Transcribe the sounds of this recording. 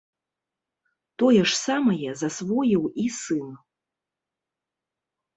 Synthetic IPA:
t̪ɔjɛʂsamɐjɛzasvɔjiwisɨn

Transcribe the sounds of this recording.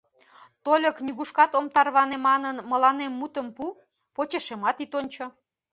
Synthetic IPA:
t̪olʲəkniɣuʃkɑt̪omt̪ɑrβɑnemɑnənməlɑnemːut̪əmpu | pot͡ɕeʃemɑt̪it̪onʲt͡ɕo

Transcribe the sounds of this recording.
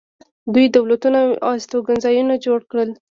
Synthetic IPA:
d̪ujd̪awlat̪unaɑst̪oɡanzɑjunad͡ʒoɽkɽəl

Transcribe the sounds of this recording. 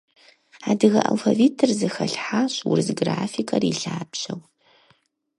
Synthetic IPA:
aːdɨɣɐʔa̰lfɐvitʰɨrzɨxɐɬħaɕwʊ̰rzɡraːfikʰɐriɬaːpɕɐw

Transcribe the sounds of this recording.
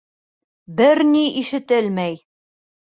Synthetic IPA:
bɘɾniʔiʃɘ̆t̪ɘlmæj

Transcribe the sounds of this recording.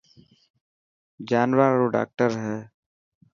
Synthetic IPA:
d͡ʒaːnʋaːoːɖa̰ːk̚ʈəɾɦɛː

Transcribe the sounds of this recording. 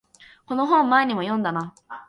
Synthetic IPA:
ko̞no̞ɦõ̞mːaeɲ̟imojõ̞nd̪ana

